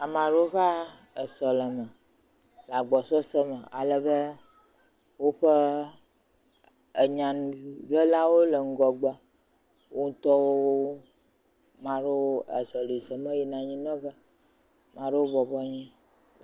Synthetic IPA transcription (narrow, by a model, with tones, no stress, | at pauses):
a˨mã˨ɖo˦ɣa˦ | ə˨sɔ˨lə˨mə̃˨ | la˨ɡ͡bɔ˨sɔ˦sə˦mə̃˨a̰˨lə˨bə˦ | wo˦ɸə˦ | ə˨ɲã˨ñ˨ɖə˦la˦wo˦lə˨ŋ̩˦ɡɔ˨ɡ͡bə˦ | wʔo˦ŋ̩˦t̪ɔ˦wo˦wo˦ | mã˨ɖe˦o˦ə̰˨sɔ˨li˨sə˨mə̃˦ji˦nã˨ɲĩ˦nɔ̃˦bə˦ | mã˨ɖe˦wo˦bɔ˨bɔ˦ɲĩ˦